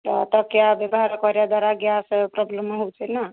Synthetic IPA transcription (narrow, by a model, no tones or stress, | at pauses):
t̪ɔt̪əkejabebɦaɾəkɔɾjad̪aɾaɡjaspɾɔblemːeɦuwt͡ʃʰɛna